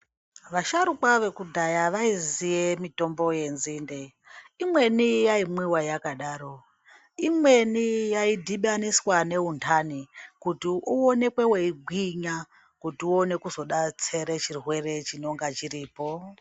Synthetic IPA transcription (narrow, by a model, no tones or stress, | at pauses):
ʋaʃaɾukwaʋe̞kudʱajaʋaizijemito̞mbo̞je̞nzinde̞ | imwe̞nijaimwiwajakaɗaːɾo̞ | imwe̞nijaidʱiɓaniswane̞ɦuntʰanikutiuone̞kwe̞weiɡʱwiɲa | kutiuone̞kuzo̞ɗat͡se̞ɾet͡ʃirwe̞re̞t͡ʃino̞ŋɡat͡ʃiɾiːpo̞